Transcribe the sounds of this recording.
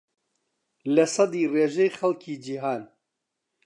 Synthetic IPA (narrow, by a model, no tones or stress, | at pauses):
lɐsˤɑd̪iːreːʒɛjxɐlkʰiːd͡ʒiɦaːn